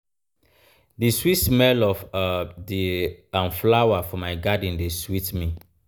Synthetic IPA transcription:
diswitsmɛlɔfdiãnflawafɔmaɪɡad̃ndeswitmi

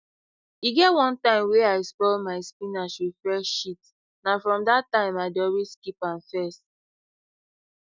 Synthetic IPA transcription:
iɡɛtwɔ̃ntãɪ̃mweaɪspɔlmaɪspĩnaʃwifɹɛʃit | nafɹɔ̃mdatːãɪ̃maɪdɔɹiskipãnfɛs

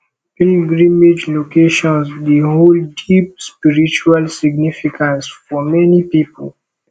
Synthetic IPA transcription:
ĩnɡɹĩmed͡ʒlokeʃɔ̃nsdeɦoldip̚spiɹit͡ʃualsiɡnifikʰãnsfɔmɛnipipəl

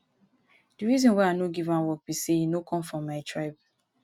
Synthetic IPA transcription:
d̥iɹizɔ̃nwaɪanoɡivãnwɔk̚b̥isejinokʰɔ̃mfɹɔ̃mːaɪtʰɹaɪb

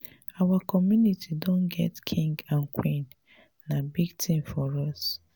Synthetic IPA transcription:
awakɔmjunitʰidõnɡɛ̰tkʰĩŋɡãnkʰwĩnː | abiɡtʰĩmfɔɹɔs

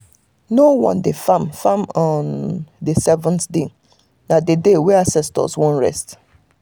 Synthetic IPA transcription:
nowɔ̰̃ndefãmfãmɔndesɛvɔ̃ntde | nadedewɛasɛstɔ̰zwõnɹɛ̰st

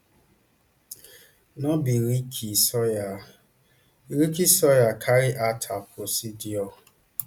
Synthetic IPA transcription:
nɔbiɾikʰisɔa | ɾikisɔjakʰaɾɪʔatʰapʰʊsidiɔ

